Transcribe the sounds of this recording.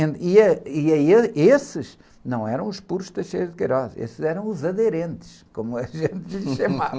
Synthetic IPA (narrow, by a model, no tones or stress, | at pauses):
ẽniɐiɐeesɨʃ | nɐ̃w̃ɛɾɐ̃w̃uʃpuɾuʃt̪ɐʃejðkɐjɾɔzḛszɛɾɐ̃w̃uzɐðɨɾẽnt̪ɨ̥ʃkomuɐʒẽnt̪ʎɨʃɐmavɐ